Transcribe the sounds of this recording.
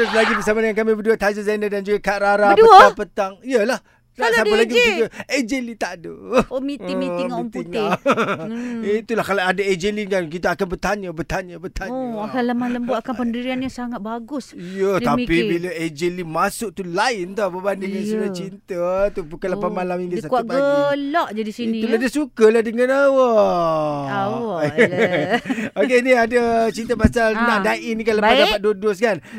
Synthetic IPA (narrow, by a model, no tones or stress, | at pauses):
əɾuslaɡipəsamanjaŋkamĩbəduət̪ad͡ʒəzandədand͡ʒuɡakaʔɾaɾadəəapət̪aŋiəlah | nasapalaɡibəuɡəed͡ʒelit̪adəmit̪ɪmiɪŋit̪ɪŋl | it̪ulahkalaadəed͡ʒelikank̬it̪aːkanbərt̪aɲəbərt̪aɲəbərt̪ʰaɲəkləmahləmbʊakanpəndiɾianɲasaŋat̪̚baɡʊsijət̪apibiləed͡ʒelimasʊʔ̚t̪ulaɪnt̪ɔbəbandəŋansuɾat͡ʃint̪ət̪ubukaləpamalamiŋɡisatkuauaəlɔʔd͡ʒadisiiuladəsukəlahdəŋãnawə | aw | okeniadət͡ʃint̪əpasalnãʔdaʔinikanləpadapat̪̚dodoskan